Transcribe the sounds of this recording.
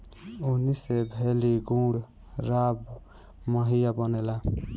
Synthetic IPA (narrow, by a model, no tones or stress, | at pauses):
unisebʱeliɡũɽ | ɾab | məɦijabənela